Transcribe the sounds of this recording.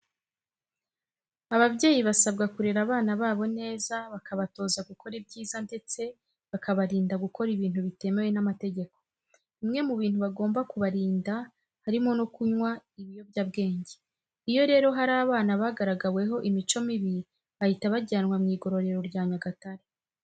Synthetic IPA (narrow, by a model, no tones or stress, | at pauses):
aβaβɟe̞ːjiβasab̚ɡakuɾe̞ɾaβaːnaβaːβo̞ne̞ːzaβakaβato̞ːzaɡukʰo̞ɾibɟiːzande̞t͡se̞ | βakaβaɾiːndaɡuko̞ɾiβiːn̥huβite̞me̞we̞namate̞ɟe̞ko̞ | imŋe̞muβiːn̥huβaɡo̞ːmbakuβaɾiːnda | haɾimo̞no̞kuɲwaiβijo̞βɟab̚ɡe̞ːɲɟe | ijo̞ɾe̞ːɾo̞ɦaɾaːβaːnaβaːɡaɾaɡawe̞ɦo̞ʔimit͡ʃo̞miβi | βahitaβaɟanwamŋiːɡo̞ɾo̞ɾe̞ɾo̞ɾɟaːɲaɡataɾe